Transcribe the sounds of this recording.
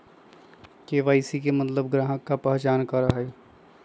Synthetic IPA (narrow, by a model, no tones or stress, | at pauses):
keːʋaːisikemɐt̪ləbɡɾaːɦəkːapɛɦt͡ʃaːnkɐɾaɦe